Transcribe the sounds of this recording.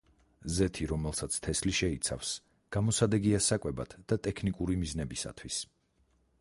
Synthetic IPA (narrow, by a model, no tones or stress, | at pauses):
zɛt̪ʰiɾɔmɛlˠsat̪sʰt̪ʰɛsliʃɛit̪sʰa̰fs | ɡ̥amɔsad̪ɛɡiasakʼwɛba̰t̪ʰd̪̥at̪ʼɛkʰnikʼuɾimiznɛbisa̰t̪ʰwis